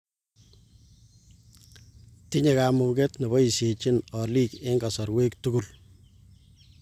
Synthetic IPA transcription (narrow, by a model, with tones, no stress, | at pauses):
ti˦ɲe˨ka˨muŋɡe˦tne˨βɔ˦i˨se˨t͡ʃi˦nɔ˨liː˦ke˦ŋɡa˨sɔ˨ɾwe˦ktuku˦l